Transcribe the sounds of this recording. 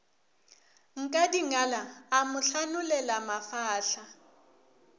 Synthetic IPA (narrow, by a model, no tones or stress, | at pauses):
ŋ̩kʼadiŋalaːmʊɬanʊlɛlamafaːɬa